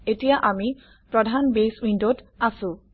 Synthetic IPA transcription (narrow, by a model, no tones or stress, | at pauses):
etijaʔami | pɹɔdʱanbeswindotasʊ̃